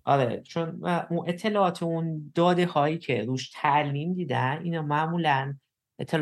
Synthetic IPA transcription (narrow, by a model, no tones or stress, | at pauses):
ʔɒɾḛt͡ʃʰonʔunʔe̞t̪ʰːe̞lɒːʔɒːt̪ʰeund̪̥ɒːd̪e̞hɒːiːcʰeɾuːʃt̪ʰæʔliːmd̪iːd̪ænʔḭːnɒmæʔmuːlæn | ʔe̞t̪ʰːel